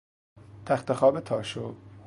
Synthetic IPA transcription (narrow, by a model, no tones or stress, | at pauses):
t̪ʰæxt̪exɒːbet̪ʰɒːʃo